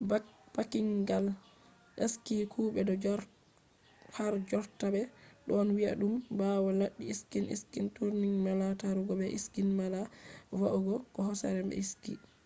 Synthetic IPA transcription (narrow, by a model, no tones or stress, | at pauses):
b̥akiŋɡal | ʔeskikʰuːbɛdɔd͡ʒ | haɾd͡ʒɔɾtabɛɗɔnwia̰ɗumbawɔlaɗːiiskinḭskintuɾniŋmalataɾuɡɔbɛʔiskinmalawaʔuɡɔkɔhɔsa̰ɾɛmɛ̰iskḭ